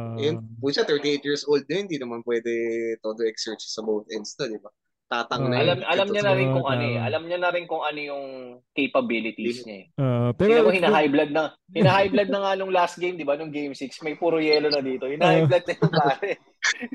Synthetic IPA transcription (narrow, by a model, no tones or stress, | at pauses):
ɐjʊnpuʃat̪ɛɹt̪iʔejt̪̚jiɹsʔowld̪̚nohɪnd̪iːnɐmanpwɛd̪ɛt̪od̪oʔɛksɛɹt͡ʃsɐbowt̪ʔɛnst̪od̪ɪba | t̪aːt̪ɐŋnɐɐlɐmʔɐlɐmɲɐnɐɾɪnkʊŋʔɐnoɛʔɐ̰lɐmɲɐnɐɾɪnkʊŋʔɐnojʊŋkejpɐbilɪt̪isɲɐ | inɐkohɪnɐhajblɐd̪̚nɐ | hɪnɐhajblɐd̪̚nɐŋanʊŋlast̪̚ɡejmd̪ɪbanʊŋɡejmsiksmɐjpuɾʊjɛːlonɐd̪iːt̪o̞hɪnahajblɐd̪̚nɐjʊŋlaːsɛ